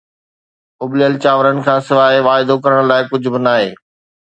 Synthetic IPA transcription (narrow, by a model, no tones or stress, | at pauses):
ʊblɪəlt͡ɕaːʋəɾənɪ̆kʰãːsɪʋaːeʋaːɪd̪okɐɾəɽ̃laːɪkʊd͡ʑʱʊ̆bɪnaːɦeː